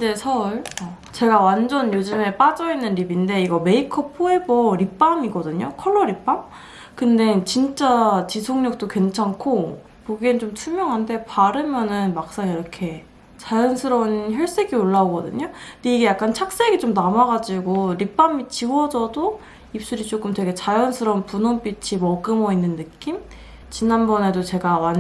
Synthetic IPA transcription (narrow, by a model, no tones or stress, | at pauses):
id͡ʑe̞sʰʌuɭʌ | t͡ɕe̞ɡawand͡ʑʌnjod͡ʑɯme̞p͈ad͡ʑʌinːɯnɾibinde̞iɡʌme̞ikʰʌpʰoe̞bʌɾip͈amiɡʌdɯɲokʰʌɭːʌɾip͈am | kɯnde̞t͡ɕint͡ɕ͈at͡ɕisʰoŋɲʌk̚t͈okwe̞nt͡ɕʰaŋkʰo | poɡint͡ɕomt͡ɕʰumjʌŋɦande̞paɾɯmjʌnɯnmak̚s͈aŋiɾʌkʰe̞ | t͡ɕajʌnsʰɯɾʌnçjʌɭs͈e̞ɡioɭːaoɡʌdɯ̰ɲoindeiɡe̞jak͈ant͡ɕʰak̚s͈eɡit͡ɕomnamaɡad͡ʑiɡoɾip͈amit͡ɕiwʌd͡ʑʌdo | ip̚s͈uɾit͡ɕ͈ok͈ɯmtwe̞ɡe̞t͡ɕajʌnsʰɯɾʌnpunomp͈it͡ɕʰimʌɡɯmʌinːɯnːɯk͈im | t͡ɕinanbʌne̞dot͡ɕe̞ɡawan